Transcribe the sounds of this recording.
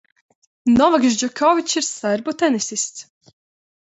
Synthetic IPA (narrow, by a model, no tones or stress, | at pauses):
nɔvaɡʒd͡ʒɔkʰɔvit͡ʃiɾsaɾbut̪ɛnisist̪s